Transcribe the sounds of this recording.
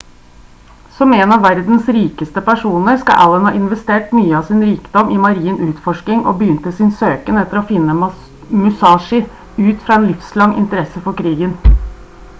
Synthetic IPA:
sɔmeːnɑʋʋæɾd̪n̩sɾiːkəst̪əpæʂuːnəɾskɑ̰ʔæ̰lənhɑ̰ːʔɪnʋɛst̪eːʈmyːəɑːsɪnɾiːkəd̪ɔmʔɪmɑɾiːənʔʉːt̪fɔʂkɪŋʔo̰ːbəjʏnt̪əsɪnsøːkənɛt̪ːəɾoːfɪnːə | mʉsɑːʂɪ | ʉːt̪fɾɑːeːnlɪfslɑŋɪ̰nt̪əɾɛsəfɔɾkʰɾiːɡən

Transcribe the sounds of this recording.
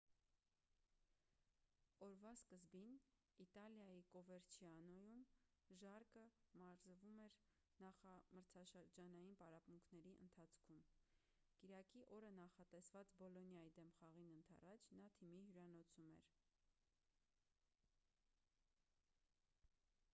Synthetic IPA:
ɔɾvɑskəzbin | it̪ɑljɑjikɔvɛɾt͡ʃʰiɑnɔjumʒɑɾkəmɑɾzvumɛɾ | nɑχɑməɾt͡sʰɑʃəɾd͡ʒɑnɑjinpɑɾɑpmuŋkʰnɛɾiʔə̰nt̪ʰɑt͡sʰkʰum | kiɾɑkiʔɔɾənɑχɑt̪ɛsvɑt͡sbɔlɔnjɑjid̪ɛmχɑʁinənt̪ʰɑ̰rɑt͡ʃʰnɑt̪ʰimiɦjuɾɑnɔt͡sʰumɛ̰ɾ

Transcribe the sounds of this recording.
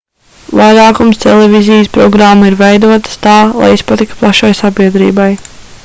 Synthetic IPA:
vajɾaːkumst̪elˠɛvʲizijspɾɔɡɾamːaiɾvejd̪uɔt̪ə̥st̪aːlˠa̰jispat̪ikt̪̚plˠaʃajsabiɛd̪ɾḭːbaj

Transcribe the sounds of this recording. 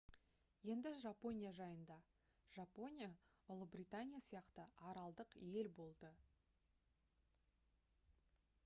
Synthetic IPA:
je̞nd̪ɪʒapo̞nʲijaʒɑjənd̪ɑ | ʒ̥apo̞nʲija | ʊlˠəbrit̪anʲijasijɑqt̪əɑɾɑlˠd̪əqje̞lbo̞lˠd̪ə

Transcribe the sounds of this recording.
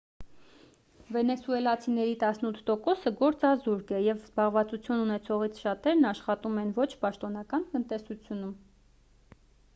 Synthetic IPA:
vɛnɛsuɛlɑt͡sʰinɛɾit̪ɑsnut̪ʰt̪ɔkɔsəɡɔɾt͡sɑzuɾɡɛjɛvzbɑʁvɑt͡sut͡sʰjununɛt͡sʰɔʁit͡sʰʃɑt̪ɛɾnɑʃχɑt̪umɛnvɔt͡ʃʰpɑʃt̪ɔnɑkɑnt̪ənt̪ɛsut͡sʰjunum

